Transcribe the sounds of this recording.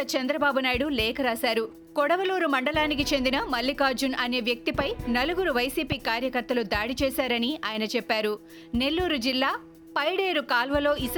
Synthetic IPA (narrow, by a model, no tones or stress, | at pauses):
ɐt͡ʃɐnd̪ɾɐbaːbunaːjiɽulɛːkɐɾaːsaːɾu | kɔɽɐʋɐluːɾumɐɳɖɐlaːnik̬it͡ʃe̞nd̪inɐmɐlːikaːɾd͡ʒunʔɐneːʋjɐk̚t̪ipɐjnɐluɡuɾuʋɐjsiːpiːkaːɾjɐkɐɾt̪ɐlud̪aːɽit͡ʃɛːsaːɾɐniaːjɐnɐt͡ʃɛpːaːɾu | ne̞lːuːɾud͡ʒilːaː | pɐjɽe̞ːɾukaːlʋɐlo̞ːis